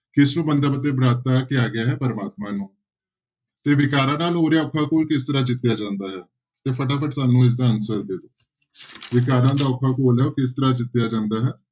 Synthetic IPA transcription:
kɪsnũːbənd̪aːpət̪eːbɾaːt̪aːkɪjaːɡɪaːɦɛːpəɾəmaːt̪mãːnũː | t̪eːʋɪkaːɾãːnaːloːɾjaːʊkʰːaːkoːlkɪs̬t̪əɾaːd͡ʒɪt̪ːjaːd͡ʒãːnd̪aːɦɛː | t̪eːpʰəʈ̬aːpʰəʈsaːnũːɪs̬d̪aːənsəɾd̪eːd̪oː | ʋɪk̬aːɾãːd̪aːʊkʰːaːkoːlɛːokɪst̪əɾaːd͡ʒɪt̪ːjaːd͡ʒãːnd̪aːɦɛː

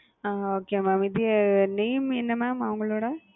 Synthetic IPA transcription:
aːoːkeːmaːmid̪ineːmɛnːɐmaːmɐʋɐŋɡɐɭoːɽɐ

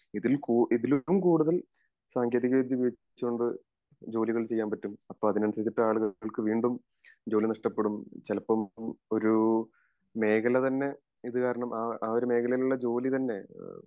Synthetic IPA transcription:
iðilkuːʔiðilomkuːɽuðɐl | saːŋɡʰjeːðiɣɐʋid̪ʱjɐʋiɐt͡ɕ | t͡ɕːuoɳɖɨ | d͡ʑo̞ːliɣɐɭt͡ɕe̞jːaːnpɐtːumɐpːoːɐðinɐnusɐɾit̪ːiʈːɨaːɭuɣɐɐɭkɨʋiːɳɖum | d͡ʑo̞ːlinɐʂʈɐpːe̞ɽumt͡ɕɐlɐpːɐmo̞ɾu | me̞ːkʰɐlɐt̪ɐnːe̞ | iðɨkaːɾɐɳɐmaːaːoɾume̞ːkʰɐlɐjiluɭːɐd͡ʑo̞ːlit̪ɐnːe̞

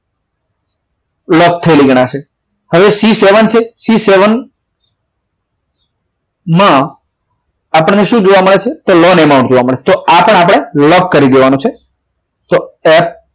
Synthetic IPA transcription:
lɔk̚t̪ʰəeliɡəɽ̃ãʃe | həʋesiseʋənt͡ʃʰesiseʋən | mã | apəɳneʃũd͡ʒoʋaməɭet͡ʃʰet̪olɔnɛmãʊ̃ʈ̚d͡ʒoʋaməɭet͡ʃʰet̪oapəɽ̃ɳap̬əɽ̃elɔkkəɾid̪eʋanũt͡ʃʰe | t̪oɛp

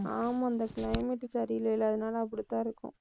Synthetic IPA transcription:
aːmɐnd̪ɐkɪlɐɪmɛʈːsɐɾɪɪlɐɪlːɐːðɯnaːlɐɐp̬ːɐɽit̪ːãːɪɾɯkːʊ̰̃

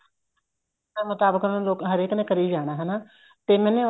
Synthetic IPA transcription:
ẽːmʊt̪aːbəkẽːloːkɦəɾeːknẽːkəɾiːd͡ʒaːɽ̃aːɦɛnaː | t̪eːmɛ̃ːnẽː

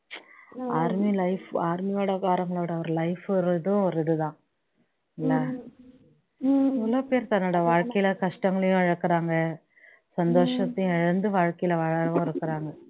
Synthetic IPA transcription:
aːɾmilɐɪfaːɾmɐjoːɽɐkaːɾɐŋɡɐɭʋɪɽɐʋɐɾɯlɐɪfɾɯðɯ̃ɔɾɪðɯðãː | ɪlːɐ | mʊloːpeːɾt̪ɐnːoːɽɐʋaːɻkɐjɪlɐkɐʂʈɐŋɡɐɭɐjʊ̃ɪɻɯkːɪɾaːŋɡɐ | sɐnd̪oːʂɐt̪ːɐjʊ̃ɛɻɐnd̪ɯʋaːɻkɐjɪlɐʋɐɻɐɾʋʊ̃ːɪɾɯkːɪɾaːŋɡɐ

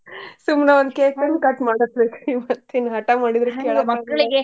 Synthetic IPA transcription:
sumnɐʋond̪keːkɐnkɐʈːmaːɽɐt̪ːekimɐt̪ːenɦɐʈːamaːɽid̪ɾekːeːɭɐkːɐɭiɡe

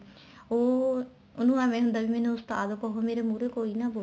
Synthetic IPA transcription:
oː | onũːamɛ̃ːɦʊ̃nd̪aːʋiːmɛ̃ːnũːʊst̪aːd̪oːkɔɦoːmeːɾeːmuːɾeːkoːiːnaːbo

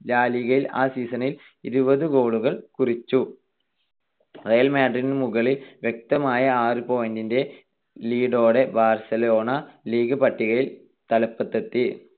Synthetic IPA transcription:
laːliɣɐjila̰ːsiːsɐnil | iɾubɐðɨɡo̞ːɭuɣɐɭkurit͡ɕːu | rejɐlmaːɖrinmuɣɐɭilʋjek̚t̪ɐmaːjɐaːrɨpo̞ːjndinde̞ | liːɽo̞ːɽe̞baːrsɐlo̞ːɳɐliːɡɨpɐʈːiɣɐɭil | t̪ɐlɐpːɐt̪ːɐt̪ːi

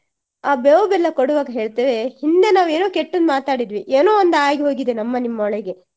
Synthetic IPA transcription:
aːbeʋɐbɛlːɐkoɽuʋaːɡɐɦe̞ːɭt̪eːʋe̞hind̪e̞naːʋe̞ːnoːkeʈːɐnd̪maːt̪aːɽid̪ʋiʔeːnoːond̪aːɡeɦoːɡid̪enɐmːɐnimːɐɔɭɛɡe̞

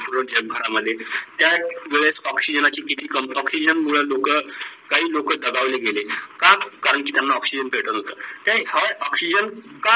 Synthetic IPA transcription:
puɾəɳd͡ʑeb̚ɡʱəɾaməd̪ʱːjet̪jaʋeɭesɔksid͡ʑənat͡ɕiːkit̪iːkəmɔksid͡ʑənmuɭ̤əlokəkaɦiːlokəd̪əɡaʋleɡelekakaɾəɳkiːt̪janːaɔksid͡ʑənpʰeʈət̪ɦot̪ət̪jãaɔksid͡ʑənka

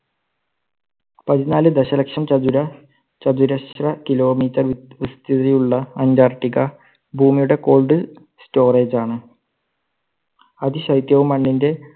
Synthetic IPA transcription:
pɐðinaːlɨd̪ɐɕɐlɐkʂɐmt͡ɕɐduɾɐ | t͡ɕɐd̪uɾɐrɐkilo̞ːmiːtːɐrʋist̪iðɾijuɭːɐɐndaːrʈːiɣɐ | bʱuːmijuɽe̞ko̞ːɭɖɨ | sto̞ːreːd͡ʑaːɳɨ | ɐðiɕɐjt̪jɐʋumːɐɳːinde̞

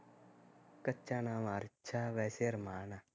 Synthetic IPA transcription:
kətːʃaːnaːmaːɾt͡ʃʰaːʋɛːseɾmaːnaː

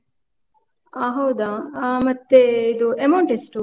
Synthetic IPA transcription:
aɦɐwd̪aːaːmɐt̪ːeid̪uemoɳʈisʈuː

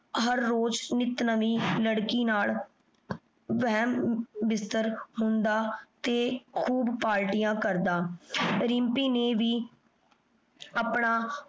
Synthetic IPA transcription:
ɦəɾːoːd͡ʒnɪt̪nəʋiːləɽkiːnaːl | ʋɛɦɛːmʋɪst̪əɾɦʊnd̪aːt̪eːkʰuːbpaːɾʈijãːkəɾd̪aːɾɪmpiːneːʋiː | apɳaː

